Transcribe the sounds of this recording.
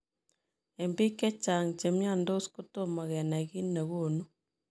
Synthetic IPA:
e˨mbi˦ke˦t͡ʃa˨ŋt͡ʃe˨mja˦˨ndo˦u˦sko˦to˦ma˨ɣe˨na˨ɣi˦nne˨ɣo˦˨nu˦

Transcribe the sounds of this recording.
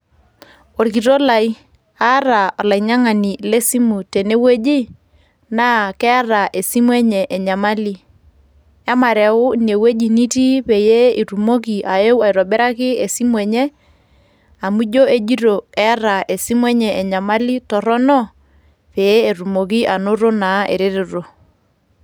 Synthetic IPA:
o˨ɾki˨ɾo˦la˨i˦ | a˦ɾa˨ɔ˨la˨i˨ɲa˦ŋa˨ni˨le˦si˦mu˨te˨ne˦we˦d͡ʒi˦ | naː˦kɛ˦a˦ɾa˨ʔe˨si˦mwɛ˦ɲɛ˨ʔɛ˨ɲa˨ma˦li˦ | a˦ma˨ɾɛ˨ʊ˦ne˨we˦d͡ʒi˨ni˦ti˦pe˨je˦i˨ɾu˨mo˦k̬i˨ʔa˨je˦wa˨i˨ɾɔ˨bɛ˦ɾa˦kɪ˦e˨si˦m˦ɛ˨ɲɛ˦ | a˨mu˦d͡ʒo˦e˦d͡ʒi˦ɾo˨ɛ˦a˦ɾa˨ʔe˨si˦mwɛ˦ɲɛ˨ʔɛ˨ɲa˨ma˦li˦tɔ˨ɾɔ˦nɔ˦ | pe˨je˦e˨ɾu˨mo˨k̬i˦ʔa˨nʊ˦ɾo˦na˨˦ʔḛ˨ɾe˦ɾe˨ɾo˨

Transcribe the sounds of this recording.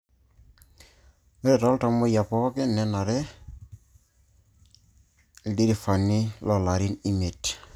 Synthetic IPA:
eɾɛtɔlta˨mɔja˨pɔ˦kɛnɛ˦na˨ɾɛ˦ | di˦ɾifa˨ni˦lɔ˨la˨ɾi˦ni˦met

